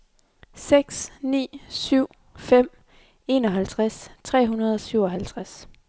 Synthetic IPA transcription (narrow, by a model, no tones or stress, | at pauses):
seɡ̥snḭːsyʊ̰ | fem̰ | e̝ːnɒ̽ɦælt͡sʰʁast͡sʰʁɛ̰ːɦunɐð̞ˠɒ̽syʊ̰ɒ̽ɦælt͡sʰʁas